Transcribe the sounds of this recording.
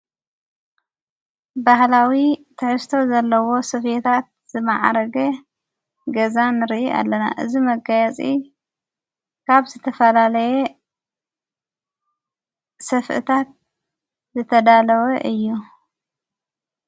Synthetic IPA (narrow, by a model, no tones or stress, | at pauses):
baɦlawit̪ʰɨħɨst̪ʰo̞zɐlːɐwo̞sɨfet̪ʰat̪̚ | z̥ɨma̰ʕa̰ɾɐɡɐ | ɡɐzanɨɾiʔiʔa̰lːɐna̰ʔɨzimɐɡajɛt͡sʼi | kʰaβzɨt̪ʰɐfɐlalɐje | sɐfʔɨ̰t̪ʰat̪̚ | zɨt̪ʰɐd̪alɐwɐʔɨjːu